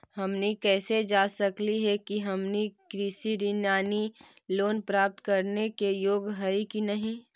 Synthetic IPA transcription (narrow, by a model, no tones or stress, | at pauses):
hɐmnikɛːsed͡ʒaːsɐkliɦɛkiɦɐmnikɾɪʃiɾinjaːni | loːnpɾaːp̚t̪kɐɾnekejoːɡɦɐikinɐɦĩ